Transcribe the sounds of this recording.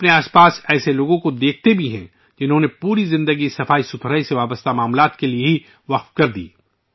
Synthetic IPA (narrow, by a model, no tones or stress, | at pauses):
ɐpneaːspaːsɛːseloːɡõkod̪eːkʰt̪ebʱiɦɛ̰̃ | d͡ʒɪnɦõnepuːɾizɪ̃nd̪əɡisɐfaːisʊt̪ʰɾaiseʋaːbəst̪amaːmlaːt̪kelieɦi | ʋɐq̚t̪kɐɾd̪ḭː